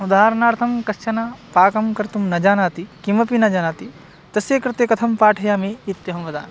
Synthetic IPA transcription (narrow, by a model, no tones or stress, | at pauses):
ud̪aːɦɐɾɐnaːɾt̪ʰɐmkɐst͡ʃɐnaːpaːkɐmkɐɾt̪umnɐd͡ʒaːnaːt̪ikimɐpinɐd͡ʒaːnaːt̪i | t̪ɐsjeːkɾɪt̪eːkɐt̪ʰɐmpaːʈʰɐjaːmeːit̪jɐɦɐmʋɐd̪a̰ːn